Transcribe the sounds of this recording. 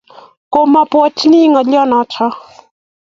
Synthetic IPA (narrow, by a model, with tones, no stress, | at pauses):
ko˨ma˦pwɔ˦t͡ʃni˦ŋɔ˨ljɔ˦nɔ˨˦t͡ʃɔ˦